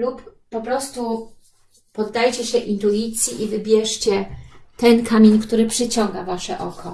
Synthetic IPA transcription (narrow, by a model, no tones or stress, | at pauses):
lupː | ɔpɾɔst̪u | pɔd̪ːajt͡ɕɛɕɛʔint̪uit̪sʲjiʔivɘbʲjɛʂt͡ɕɛt̪ɛnkamʲeɲkt̪uɾɘpʂɘt͡ɕɔŋɡavaʂɛʔɔ̰kʰɔ